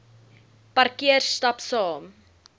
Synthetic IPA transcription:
pɐrkiərstɐpsɑːm

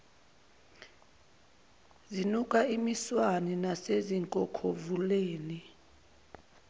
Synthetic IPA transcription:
zinukʼaimiswaninaseziŋkʼɔkʰovuleːni

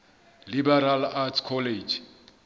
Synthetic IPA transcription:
libɛɾalatʰkʰɔled͡ʒ

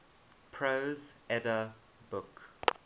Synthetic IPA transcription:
pʰɹozɛdə | bʊk

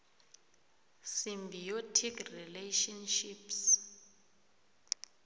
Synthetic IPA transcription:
simbʱijotʰikrileʃɔnʃips

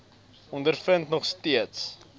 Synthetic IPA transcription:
ɔndərfəntnɔχstiəts

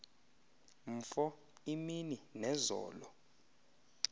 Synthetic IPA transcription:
m̩fɔ | imininɛzɔ̰ːlɔ

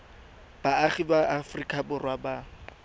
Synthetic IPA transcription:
b̥aːχibaʔafrikʼabʊrwaba

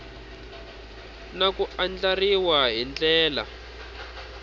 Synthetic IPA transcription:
nakuand͡ɮariwaɦind͡ɮɛːla̰

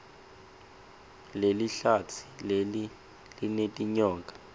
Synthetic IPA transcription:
leliɬat͡sʰi̥leli | linetʼiɲɔːkʼḁ

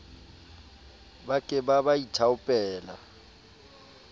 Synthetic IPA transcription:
bakʼɪbabaitʰaʊpʼɛːla̰

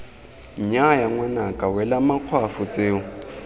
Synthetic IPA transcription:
ɲajaŋwanakʼawɛlamaq͡χʰwafʊt͡sʼeːʊ

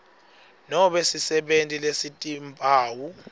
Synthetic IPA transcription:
nɔɓesisɛɓentʼilesitʼimpʼaːwu

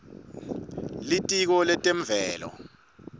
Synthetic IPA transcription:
litʼik̬ɔlɛtʼem̩vɛːlɔ̰

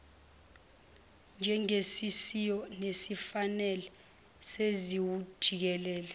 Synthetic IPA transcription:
nd͡ʒʱɛŋesisijɔnesifanɛlɛ | seziwud̥ʒ̥ʱik̬ɛlɛːlɛ

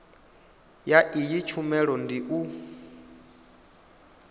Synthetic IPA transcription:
jaʔijit͡ʃʰumɛɺɔndiʔu

